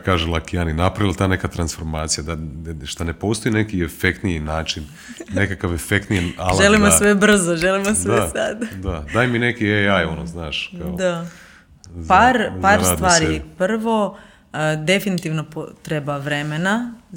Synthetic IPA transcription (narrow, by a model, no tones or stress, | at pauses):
kaːʒelˠakijaninapɾaʋilt̪aːne̞kat̪ɾansfo̞ɾmaːt̪sijad̪aʃt̪anepo̞st̪o̞inekiefekt̪nijinaːt͡ʃin | nekakaʋefekt̪nijialʒʒelimosʋebr̩zoʒelimosʋesad̪d̪ad̪aːjminekieajonoznaːʃkaod̪a | zpaɾpaːɾsd̪t̪ʋaːɾipr̩ʋo̞ | d̪e̞finit̪iʋnopot̪ɾebaʋɾe̞mena